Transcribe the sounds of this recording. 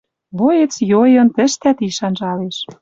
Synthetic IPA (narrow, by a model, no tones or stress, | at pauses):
βojet͡sjojɤ̆nt̪ə̆ʃt̪æt̪iʃɑnʒɑleʃ